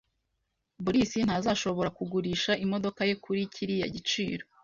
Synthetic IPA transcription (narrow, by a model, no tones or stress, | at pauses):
buɾisin̥hazaʃo̞βo̞ɾakuɡuɾiːʃaʔimo̞do̞kaje̞kʰuɾicʰiɾija̰ɟit͡ʃiːɾo̞